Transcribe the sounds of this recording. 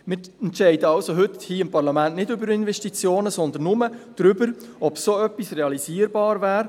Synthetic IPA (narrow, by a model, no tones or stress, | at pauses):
mɪːɛntʃɛɪdəɑlsoɦʏt̪hiːɪmpɑɾlɑmæntnɪdʏbəɾɪnvɛʃtit͡sjoːnəsɔnd̪ənnʊməd̥ɾʏbəɾ | ɔbsoœpːisreɑliziːəɾbɑːɾvæːɾ